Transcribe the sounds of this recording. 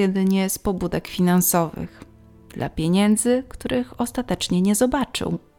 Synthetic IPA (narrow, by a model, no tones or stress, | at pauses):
ɛd̪ɘɲɛspɔbud̪ɛkfʲinansɔvɘ̰x | d̪̥lʔa̰pʲjeɲɛnd̪zɘkt̪uɾʔɘxɔst̪at̪ɛt͡ʂɲɛɲɛzɔbat͡ʂɘ̰w